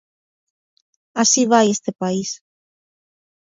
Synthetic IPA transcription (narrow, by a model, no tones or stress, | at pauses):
asiβ̞ajest̪epais